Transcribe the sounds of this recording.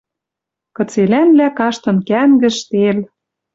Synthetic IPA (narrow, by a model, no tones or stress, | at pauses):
kɤ̆t͡selænlækɑʃt̪ɤ̆nkæŋɡɘ̆ʃt̪el